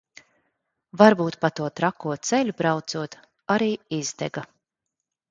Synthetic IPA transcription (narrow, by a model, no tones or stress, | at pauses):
vaɾbuːt̪pat̪uɔt̪ɾakːuɔt̪sɛlʲubɾawt̪suɔt̪ | aɾiːizd̪ɛ̰ɡa